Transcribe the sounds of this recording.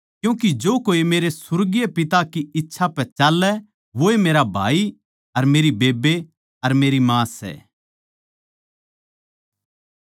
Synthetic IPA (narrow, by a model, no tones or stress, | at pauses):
kjũːkid͡ʒoːkoːimeːɾesʊɾɡijepɪt̪akiɪtːʃʰapɛt͡ʃaːlːɛ | ʋoːemeːɾabʱaːi | ɐɾmeːɾibeːbe | ɐɾmeːɾimãːsɛ̰ː